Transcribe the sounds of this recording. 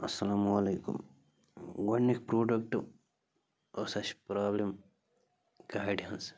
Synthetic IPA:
ɐsɐlaːmwɐleːkṵm | wɐnːikpɾoːɖɐkʈ | osɐʃpɾaːblem | ɡaːjɖijɐns

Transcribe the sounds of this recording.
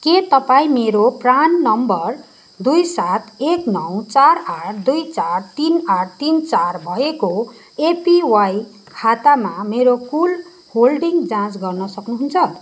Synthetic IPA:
ket̪ʌpaĩmeɾopranːʌmbʌr | d̪ujsat̪ʰeknʌwt͡saraʈʰd̪ujt͡sart̪inaʈt̪int͡sarbʱʌeko | epiwaj | kʰat̪amameɾokul | holɖiŋɡd͡zãt͡sɡʌrnʌsʌknuɦunt͡sʰʌ

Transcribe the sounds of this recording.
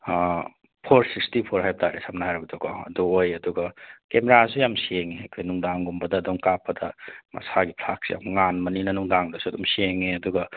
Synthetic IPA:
pʰoɾsistipʰoɾɦajb̚tʰaɾesamnaɦajɾɐbɐdokʰɔɐ̰duojɐduɡɐkemeɾasujamsieŋeɐkʰojnuŋdaŋɡumbɐdɐːduŋkapːɐdɐmɐ̰saɡipʰlak̚sḭja̰mŋanmɐninɐnuŋdaŋdɐsuɐdumsieŋeɐduɡɐ

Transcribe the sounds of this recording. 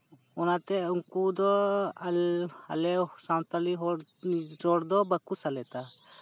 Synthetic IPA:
ɔnat̪ɛuŋkud̪ɔla̰lɛsãwt̪aliɦɔ | ɾɔɽd̪ɔbəkusalɛt̪a

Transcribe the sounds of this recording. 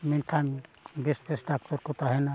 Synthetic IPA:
mint̪ʰanbespɾesɖak̚t̪ɔɾkɔt̪aɦɛna

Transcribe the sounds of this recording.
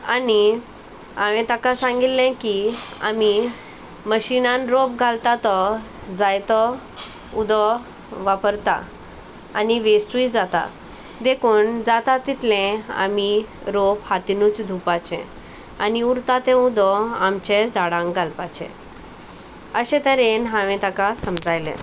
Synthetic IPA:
ani | aʋɛ̃t̪akasãŋɡit̪ːɛ̃kia̰mi | məɕinanɾopɡʱalt̪at̪ɔ | d͡zajt̪ɔ | ud̪ɔ | ʋapəɾt̪a̰ | a̰niʋesʈuid͡zat̪a̰ | d̪ekʰuːnd͡zat̪at̪it̪lɛ̃a̰miɾophat̪inut͡sd̪ʱupat͡ɕɛ̰̃ | aniuɾt̪at̪ɛ̃ud̪ɔamt͡ɕɛ̃d͡zaɽãŋɡɡʱalpat͡ɕɛ̰̃ | əɕɛ̃t̪ɛɾẽnɦãʋɛ̃t̪akasəmd͡zajlɛ̰̃

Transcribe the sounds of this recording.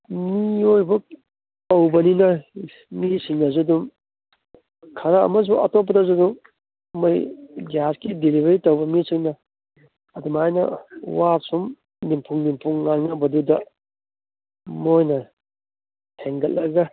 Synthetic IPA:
miojbɐ | tɐwbɐninɐ | misiŋnɐzudum | kʰɐɾaɐ̰mɐs̬uɐ̰top̬ːɐdɐzuduŋː | ɐjɡaskidilibɐɾitɐwbɐmisiŋnɐː | dumajnɐ̰wap̚sum | nimpʰuŋnimpʰuŋːaŋnabɐdudɐ | mojnɐ | tʰeŋɡɐllːɐɡɐ

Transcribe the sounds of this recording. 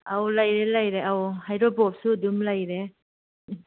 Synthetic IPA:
awlajɾelajɾeawhajɾɔbɔp̚sudumlajɾe

